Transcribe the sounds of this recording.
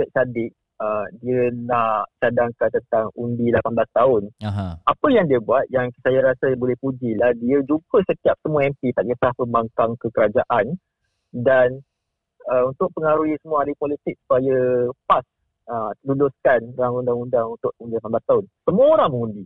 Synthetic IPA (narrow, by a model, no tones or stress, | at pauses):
t̪əʔ̚sadɪʔ̚ | ədiənat͡ʃadaŋkant̪ənt̪aŋundilapanblast̪aʊnɦaapəjaŋdiəbuat̪̚jaŋsajaɾasəbolɛhpud͡ʒilahdiəd͡ʒupəsət̪iap̚səmuaɛmpit̪aʔit̪lahpəmbaŋkaŋkəkəɾad͡ʒaʔan | dan | əunt̪ʊk̚pəŋaɾujəsəmuaadipolit̪ɪk̚su̥pajəpas | əlulʊskanɾaŋundaŋundaŋunt̪ʊʔundilapanblast̪aʊnsəmuəoɾaŋməŋundi